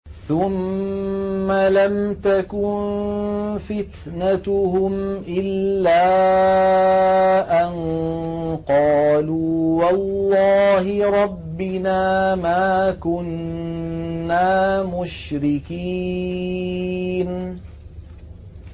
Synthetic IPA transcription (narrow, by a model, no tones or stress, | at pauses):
θʊmː | alamt̪akʊn | fɪt̪nat̪ʊhʊmʔɪlːaː | ʔan | qɑːluːwɑlːɑːɦɪɾˤɑbːɪnaːmaːkʊnː | aːmʊʃɾɪkiː | n